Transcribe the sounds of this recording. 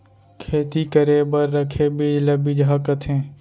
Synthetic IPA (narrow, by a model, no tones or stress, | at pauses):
kʰeːt̪ikəɾeːbəɾːəkʰebid͡ʒləbiːd͡ʒɦakət̪ɦɛ̃ː